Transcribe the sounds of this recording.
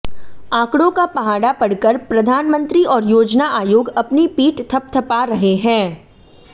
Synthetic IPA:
ãːkɽõkapɐɦaːɽapɐɽkəɾpɾɐd̪ʱaːnmə̃nt̪ɾiɔːɾjoːd͡ʒnaʔaːjoːɡɐpnipiːʈt̪ʰɐp̚t̪ʰɐpaɾɐɦeɦɛ̃ː

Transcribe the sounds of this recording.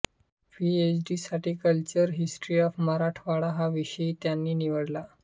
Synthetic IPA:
piet͡ɕɖisaʈiːkəlt͡ɕəɾɦisʈɾiːɔfmaɾaʈʰʋaɽaɦaʋiɕəit̪janːiːniʋəɽla

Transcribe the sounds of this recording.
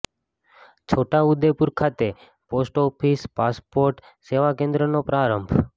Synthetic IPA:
t͡ʃʰoʈaud̪epuɾkʰat̪e | posʈɔpʰispaspoɾʈ | seʋakẽnd̪ɾənopɾaɾəmbʱ

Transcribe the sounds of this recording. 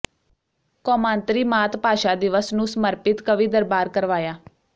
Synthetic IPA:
kɔːmãːnt̪ɾiːmaːt̪paːʃaːd̪ɪʋəsnũːsəməɾpɪt̪kəʋiːd̪əɾbaːɾkəɾʋaːjaː

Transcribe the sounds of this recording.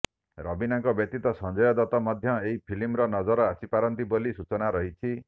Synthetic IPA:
ɾɔbinaŋkɔbjɔk̚t̪it̪ɔsɔnd͡ʒɔjɔd̪ɔt̪ɔmɔd̪ʱjɔeɦipʰilimɾɔnɔd͡ʒɔɾɔasipaɾɔnt̪ibolisut͡ʃɔnaɾɔɦit͡ʃʰi

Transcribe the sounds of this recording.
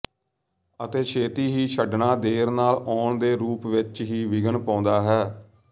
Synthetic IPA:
ət̪eːkʰeːt̪iːɦiːt͡ʃʰəɖɳaːd̪eːɾnaːlɔːɳd̪eːɾuːpʋɪt͡ʃɦiːʋɪɡəɳpɔ̃ːnd̪aːɦɛː

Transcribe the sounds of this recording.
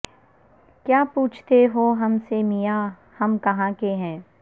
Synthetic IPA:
kjaːpuːt͡ʃʰt̪eɦoɦɐmsemija | hɐmkɐɦãkeɦɛ̃ː

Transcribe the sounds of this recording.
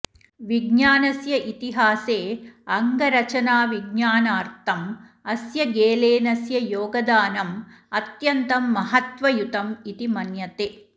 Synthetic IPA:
ʋiɡɲaːnɐsjɐʔit̪iɦaːseːɐŋɡɐɾɐt͡ʃɐnaːʋiɡɲaːnaːɾt̪ʰɐm | ɐsjɐɡeːleːnɐsjɐjoːɡɐd̪aːnɐm | ɐt̪jɐnt̪ɐmːɐɦɐt̪ʋɐjut̪ɐmit̪imɐnjɐt̪e

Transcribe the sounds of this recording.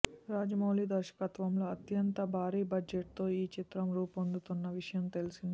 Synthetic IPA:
ɾaːd͡ʒɐmoːliːd̪ɐɾʃɐ̥kɐt̪ʋɐmlo̞ːɐt̪jɐnt̪ɐbʱaːɾiːbɐd͡ʒeʈ̚t̪o̞ːiːt͡ʃit̪ɾɐmɾuːpond̪ut̪unːɐʋiʂɐjɐmt̪e̞lisind̪i

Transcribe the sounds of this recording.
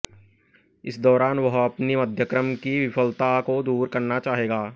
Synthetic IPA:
ɪsd̪ɔːɾaːnʋɐɦɐpnimɐd̪ʱjəkɾəmkiʋɪfʰəlt̪akod̪uːɾkɐɾnat͡ʃaːɦeːɡaː

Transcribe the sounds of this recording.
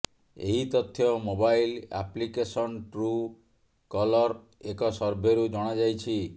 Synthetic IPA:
ḛɦit̪ɔt̪ʰːjɔmobajla̰plikesɔnʈɾu | kɔlɔɾ | ekɔsɔɾbʱeɾud͡ʒɔɽ̃ad͡ʒajt͡ʃʰi

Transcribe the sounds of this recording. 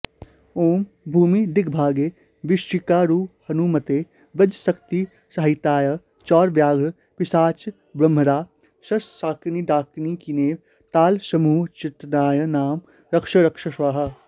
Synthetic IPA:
oːm | bʱuːmid̪ɪkʰbʱaːɡeː | ʋɪʃt͡ʃɪkaːɾuːphɐnumɐt̪eː | ʋɐd͡ʒsɐkt̪i | sɐɦɪt̪aːjə | t͡ʃɔːɾʋjaːɡ | pɪsaːt͡ʃ | bɾɐmɾaː | ʃɐssaːkniɖaːknikineːʋ | t̪aːlsɐmuːt͡ʃɪt̪naːjənaːm | ɾɐkʃɐɾɐkʃɐʃʋaːɦɐ

